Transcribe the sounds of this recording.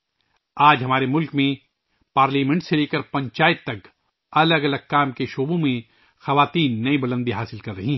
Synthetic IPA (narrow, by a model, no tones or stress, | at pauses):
aːd͡ʒɦɐmaːɾemʊlkmẽ | paːɾliːmɛ̃ɳʈseleːkəɾpɐ̃ɲt͡ʃaːɪt̪ːɐk | ɐləɡɐləɡ̚kaːmkeʃoːbõmẽ | xɐʋaːt̪iːnːɐibɐlə̃nd̪iɦaːsɪlkɐɾːɐɦiɦɛ